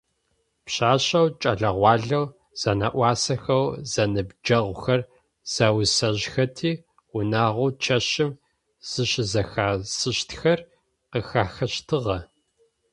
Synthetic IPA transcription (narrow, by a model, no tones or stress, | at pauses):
pɕaːɕɐwt͡ʃʼɐɮɐʁʷɑːɮɐw | z̥ɐnɐ̰ʔʷɑːsɐxɐwz̥ɐnɨbd͡ʒɐʁʷʊxɐr | z̥ɐwsɐʑxɐtʰiː | ʊnaːʁʷʊːt͡ʃʰɐɕɪm | z̥ɨɕɪzɐxaːsɨɕtxɐr | qəxaːxɐɕtʰɨʁɐ